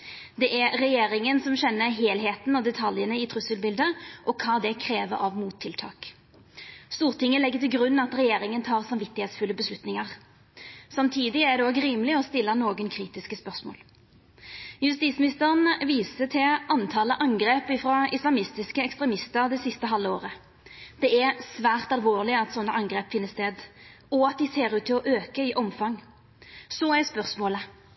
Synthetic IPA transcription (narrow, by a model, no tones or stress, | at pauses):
d̪ɛʔæʁɛjeːɾɪŋənsɔmɕɛnːəɦeːlɦeːt̪n̩ɔd̪ɛt̪ʰɑljənəɪt̪ʰɾʉsəlbɪld̪əʔɔkʰɑːd̪ɛkʰɾeːʋə̰ɾɑʋmuːt̪ʰːɪlt̪ʰɑ̰ːk | st̪uːʁt̪ʰɪŋːəlɛɡːət̪ɪlɡɾʉnːɑt̪ɾɛjeːɾɪŋənt̪ʰɑːʁsɑmʋɪt̪ːɪheːt̪sfʉlːəbəslʉt̪nɪŋɑʁ | sɑmt̪ʰiːd̪ɪæd̪ɛoːɡɾiːmlɪɔst̪ɪlːənoːɡənkʰɾiːt̪ɪskəspœʁsmo̰ːl | jʉst̪iːt̪smɪnɪst̪əʁənʋiːsət̪ʰɪlɑnt̪ʰɑːləʔɑŋɡʁeːpɪfɾɑɪslɑmɪst̪ɪskəɛkst̪ɾɛmɪst̪əɾd̪ɛsɪst̪əɦɑlːəoːʁə | d̪̥ɛɛsʋæːʁt̪ɑlʋoːʁlɪɑt̪sɔnːəʔɑŋɡʁeːpfɪnːəst̪eːd̪ | ɔɑt̪̚d̪ɪseːɾʉːt̪ʰːɪlɔʔøːkəɪʔɔmfɑŋ | sɔæspœʁsmoːlə